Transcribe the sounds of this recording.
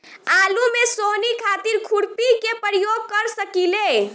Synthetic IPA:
alumesonikʰat̪iɾkʰuɽpikepəɾjoɡ̚kəɾsəkile

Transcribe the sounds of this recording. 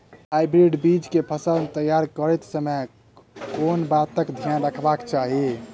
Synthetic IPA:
ajbɾeɖbid͡ʒkepʰəsəlmet̪əjaɾkəɾɛt̪səmə | konbat̪əkd̪ʱjanɾəkʰbakt͡ʃaɦi

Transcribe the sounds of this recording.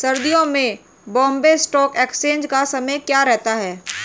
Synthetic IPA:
sɐɾd̪ijõmẽ | bɔ̃ːmbesʈɔːkeːkst͡ʃẽːnd͡ʒkasɐməjkjaːɾɛɦt̪aɦɛː

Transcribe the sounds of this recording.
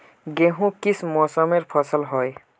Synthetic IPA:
ɡeɦũkismɔsəmeɾpʰʌsəlɦoj

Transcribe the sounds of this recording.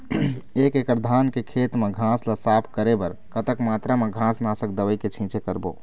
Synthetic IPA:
ekekəɾd̪ʱankekʰet̪mẽɡʱãsləsapʰkəɾebəɾkət̪əkmat̪ɾameɡʱãsnasəkd̪əʋəjket͡ʃʰĩt͡ʃekəɾbo̰

